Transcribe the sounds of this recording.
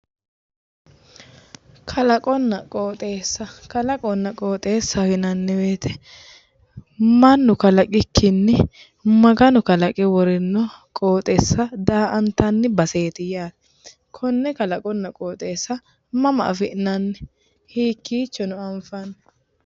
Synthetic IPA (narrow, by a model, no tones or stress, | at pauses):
kʰɐlɐkʼɔnːɐkʼo̞ːt̪ʼeːsːɐkɐlɐkʼɔnːɐkʼoːt̪ʼe̞ːsːɐfɪnɐnːɛbeːt̪ʰɛ̥ | mɐnːʊkɐlɐkʼɪkːɪnːɪ | mɐɡɐnʊkɐlɐkʼɪwɔɾɪnːɔ | kʼoːt̪ʼɛsːɐd̪aːʔɐnt̪ɐnːɪbɐse̞ːt̪ɪjaːt̪ɛ̥ | kʰɔnːɛkɐlɐkʼɔnːɐkʼoːt̪ʼe̞ːsːɐ | mɐmɐ̰ʔɐfɪʔnɐnːɛ | hiːkːiːt͡ʃːɔnʊɐmfɐn